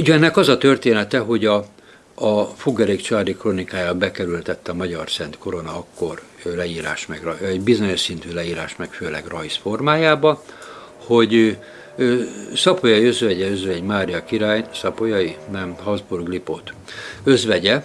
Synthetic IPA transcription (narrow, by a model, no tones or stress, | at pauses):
uɟɛnːɛkɒzɒt̪ørt̪eːnɛt̪ɛɦo̞ɟɒː | fuɡɛɾeːkt͡ʃaːd̪ikronikaːjaːbɛkɛɾylt̪ɛt̪ːɛɒmɒɟɒrsɛnt̪ko̞ɾo̞nɒɒkːorlɛjiːɾa̰ːʃmɛɡrɒɛɟbizo̞ɲo̞ʃsint̪yːlɛiːɾaːʃmɛkføːlɛ̰ɡrɒjsfo̞rmaːjaːbɒ | ho̞ɟ | øsɒpo̞jɒjiø̞zʋɛɟɛø̞zʋɛɟmaːɾijɒkiɾaːjsɒpo̞jɒinɛmɦɒzburɡlipo̰ːt̪øzʋɛɟɛ